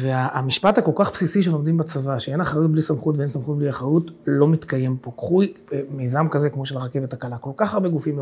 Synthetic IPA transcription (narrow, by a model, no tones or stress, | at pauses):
ve̞aːmiʃpathako̞lkaχpsisiʃ̬elo̞md̪imbat͡savaʃee̞naχajut̚blisamχutveensamχut̚bliaχʁajutlo̞mitkaje̞mpo̞kχujbeme̞jzamkazekmo̞ʃelaʁke̞vetakalako̞lkaχaʁbeɡufiml